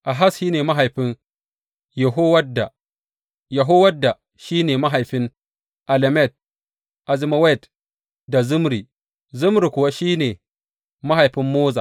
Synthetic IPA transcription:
ʔa˨ɦa˦sʃiː˦neː˨ma˦ɦa˨jɸɪ˦n | jɛ˨ɦo˦wɐ˦da˨ | jɐ˨ɦo˦wɐ˦dːa˨ | ʃiː˦neː˨ma˦ɦa˨jɸɪ˦n | ʔa˨lɛ˨mɛ˦˨t̚ | ʔa˨zɪ˦ma˦wa˦˨t | da˨zʊ˦mɾi˨ | zʊ˦mɾi˨kʷʊ˨wa˦ʃiː˦neː˨ | ma˦ɦa˨jɸɪ˦mːoː˦za̰ː˨

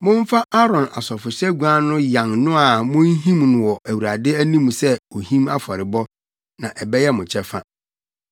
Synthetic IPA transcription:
mʊ̃˦m˦fa˦ʔa˦ɾɔ̃˨na̰˨sɔ˨fʊ˨ɕɛ˦ɡu˨a˦nʊ̃˦jã˨ŋnʊ̃˦a˨mʊ̃˦n˦ɦĩ˦mnʊ̃˨wɔ˨ʔæ˨wu˨ɾa˨dɪ˦æ˦nĩ˦m˨sɛ˦o˨hĩ˦ma˦fa˨ɾɪ˨bɔ˦ | nã˨ʔɛ˨bɛ˦jɛ˦mʊ̃˨t͡ɕʰɛ˦fa̰˦

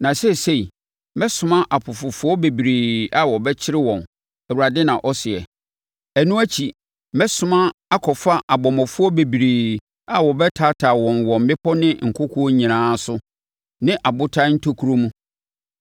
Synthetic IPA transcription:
nã˨sɛ˦˨se˦i˨ | mɛ˦sʊ̃˨mã˦ʔa˨pʰʊ˨fʊ˨fʊ˦ɔ˦be˨bi˨ɾeː˨a˦wɔ˨bɛ˦t͡ɕʰɪ˦ɾɪ˦wɔ̃˨n | ɛ˨wu˨ɾa˨dɪ˦nã˨ʔɔ˦sɪ˨ɛ̰˨ | æ˨nũ˦æ˦t͡ɕʰi˨ | mɛ˦sʊ˦mã˦a˦kʰɔ˨fa˦ʔa˨bɔ˨mɔ̃˨fʊ˦ɔ˦be˨bi˨ɾeː˨ | a˦wɔ˨bɛ˦tʰa˦tʰaː˨wɔ̃˨nwɔ̃˨m̩˨bɪ˦pʰɔ˦nɪ̃˦ŋ̩˨kʰʊ˦kʰu˦ɔ˦ɲĩ˨nãː˦sʊ˦ | nɪ̃˦ʔa˨bʊ˦tʰa˦n̩˦tʰo˦kʰu˦ɾo˦mũ˦

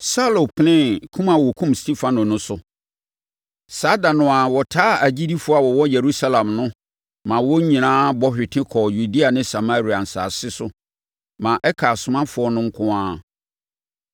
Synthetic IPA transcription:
sa˦lo˨pʰlɪ̃˦kʰũ˦mã˨wɔ˨kʰũ˦mstʰi˦fã˦nõ˨nʊ̃˦sʊ˨ | sa˦da˨nʊ̃˦a˨wɔ˨tʰaː˦æ˨d͡ʑi˦di˦fʊ˨˦a˨wɔ˨wɔ˦jɛ˨ɾu˦sa˦lã˨mnʊ̃˦ | mã˨wɔ˦ɲĩ˨nãː˦bɔ˦hɪ˨tʰɪ̃˦kʰɔː˨ju˨di˦a˨nɪ̃˦sa˨ma˦ɾi˨a˨n̩˨sa̰ː˨sɪ˦sʊ˦ | mã˨ʔɛ˦kʰa˨sʊ˨mã˦fʊ˨ɔ˦nʊ̃˦ŋ̩˦kʰʊ̃˦ã˦

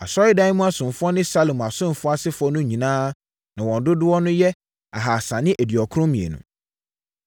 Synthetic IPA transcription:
a˨sɔ˦ɪ˦dã˦n˦mũ˦a˦˨sʊ̃˨m˨fʊ˦ɔ˦nɪ̃˦sa˦lo˨ma˨sʊ̃˦˨fʊ˦a˦sɪ˦fʊ˨˦ɔ˦nʊ̃˦ɲĩ˨nãː˦ | nã˨wɔ̃˨ndʊ˦dʊ˦wɔ˦nʊ̃˦jɛ˦ | a˨ɦa˨sa˨nɪ̃˦ʔæ˨di˨ɔ˨kʰʊ̃˦mĩ˨ḛ˨nṵ̃˨

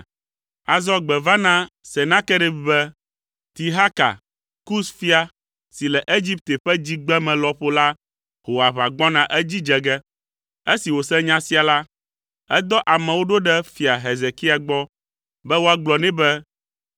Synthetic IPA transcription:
a˨zɔ˦ɡ͡bɛ˨va˦nã˦ | sɛ˨nã˦kɛ˦ɖɛ˦bbɛ˦ | t̪i˨ɦa˦ka̰˨ | ku˦sfi˦a˨ | si˨lɛ˨ʔe˦d͡ʑi˦p̚t̪e˨ɸɛ˦d͡ʑi˦ɡ͡bɛ˦mɛ̃˨lɔ˨ɸo˦la˦ | ho˨wa˨βa˨ɡ͡bɔ˦nã˨ʔɛ˦d͡ʑi˦d͡ʒɛ˨ɡɛ˦ | e˦si˨wo˨sɛ̃˦ɲã˦si˦a˨la˦ | ɛ˦d̪ɔ˦ʔa˨mɛ̃˨wo˦ɖo˦ɖɛ˦fi˨a˨ɦe˨ze˨ki˦a˨ɡ͡bɔ˦ | bɛ˦wo˦a˦ɡ͡blɔ˨nɛ̃˦bɛ˦

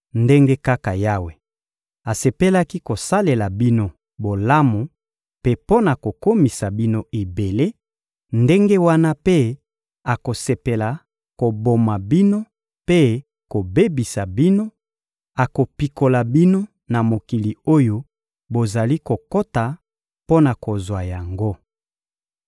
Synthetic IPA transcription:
nde˦ŋɡe˦ka˦ka˨ja˦we˨ | a˨se˨pe˦la˦ki˦ko˨sa˦le˨la˨bi˦no˦ | bo˨la˦mu˨ | pe˦po˦na˨ko˨ko˦mi˨sa˨bi˦no˦ʔe˨be˨le˦ | nde˦ŋɡe˦wa˦na˦pe˦ | a˨ko˨se˨pe˨la˨ | ko˨bo˨ma˨bi˦no˦ | pe˦ | ko˨be˦bi˨sa˨bi˦no˦ | a˨ko˨pi˨ko˨la˨bi˦no˦ | na˨mo˨ki˨li˨o˦jo˦ | bo˨za˨li˦ko˨ko˦ta˨ | po˦na˨ko˨zwa˨ja˨ŋɡo˦

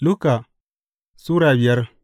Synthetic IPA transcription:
lu˦ka˨ | su˦ɾa˨wi˨a˦ɾ

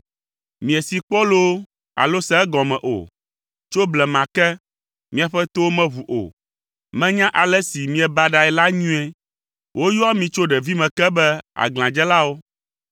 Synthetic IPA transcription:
mĩ˨ɛ˨si˨k͡pɔ˦lo˦ | a̰˨lo˦sɛ˦ɛ˦ɡɔ̃˨mɛ̃˨ʔo̰˨ | t͡ʃo˦blɛ˨mã˨kɛ˦ | mĩ˦a˨ɸɛ˦t̪o˦mɛ̃˦βu˨ʔo̰˨ | mɛ̃˦ɲã˦ʔa˨lɛ˦si˨mĩ˦ɛ˨ba˦ɖa˨ɛ˨la˦ɲũ˦ɛ˦ | wʔo˦jɔ˦a˦mĩ˨t͡ʃo˦ɖɛ˨vi˦mɛ̃˨kɛ˦bɛ˦a̰˨ɡl̃ã˨d͡ʒɛ˦la˦wo˦

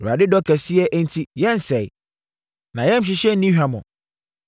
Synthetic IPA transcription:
a˨dɪ˦dɔ˦kʰɛ˨sɪ˦ɛ˦ʔn̩˦tʰi˦jɛ̃˦n˨sɛ˨ | nã˨jɛ̃˦m̩˦ɕ̬ɪ˨ɕɛ˦nĩ˦ɦᶣa˨mɔ̰̃˨

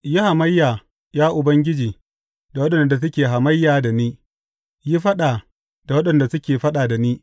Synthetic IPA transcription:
ji˦ha˨mɐ˦jːaː˨ | jaː˦ʔʊ˨bɐ˦ŋɡʲɪ˦d͡ʒiː˨ | da˨wɐ˦ɗɐ˨nda˨s̬ʊ˦kʲeː˨ɦa˨mɐ˦jːaː˨da˨niː˦ | ji˦ɸɐ˦ɗaː˨ | da˨wɐ˦ɗɐ˨nda˨sʊ˦kʲeː˨ɸɐ˦ɗaː˨da˨niː˦

